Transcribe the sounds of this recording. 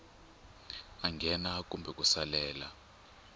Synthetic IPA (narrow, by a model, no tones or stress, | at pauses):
aŋɡʱɛnak̬ʼumbʱɛk̬ʼusalɛːla